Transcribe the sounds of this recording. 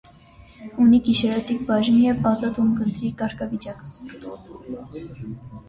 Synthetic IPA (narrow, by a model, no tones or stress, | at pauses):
unikiʃɛɾɔt̪ikbɑʒniɛvɑzɑt̪umɡənt̪ɾikɑɾkʰɑvit͡ʃɑk